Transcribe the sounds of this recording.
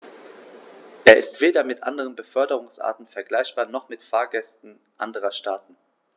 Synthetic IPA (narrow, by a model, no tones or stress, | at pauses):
ʔeːɐɪ̰stv̥eːdɐmɪtʔa̰ndəʁənbəfœɐdəʁ̞ʊŋsʔa̰ːɐtn̩fɛɐɡlaɪçb̥aːɐnɔχmɪtfaːɐɡɛstn̩ | ʔa̰ndəʁ̞ɐʃtaːtn̩